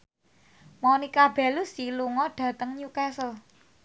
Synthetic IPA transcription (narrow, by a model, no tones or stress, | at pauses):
mɔnikab̥ɛ̤lusiluŋɔɖ̥ä̤t̪əŋɲukɛsəl